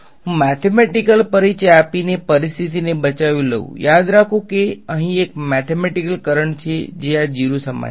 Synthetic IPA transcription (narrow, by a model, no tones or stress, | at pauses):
ɦũmɛt̪ʰemɛʈikəlpəɾit͡ʃeapinepəɾist̪ʰit̪inebət͡ʃaʋilə̰ṵ̃jad̪ɾakʰũkeəɦĩek̚mɛt̪ʰemɛʈikəlkəɾəɳt͡ʃʰed͡ʒead͡ʒiɾusəma̰